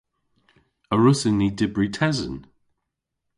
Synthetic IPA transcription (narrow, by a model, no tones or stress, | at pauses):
əɹʊsɪnidɪbɹʉtʰɛzə̰̃n